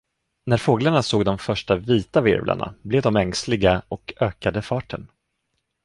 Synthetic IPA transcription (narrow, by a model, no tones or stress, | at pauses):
næɾfoːɡlaɳasoːɡd̪ɔmfœʂʈaviːt̪avɪ̰ɾvlʔa̰ɳa̰blɛːvd̪ɔmɛŋslɪɡaʔɔkøːkad̪əfɑːʈʰən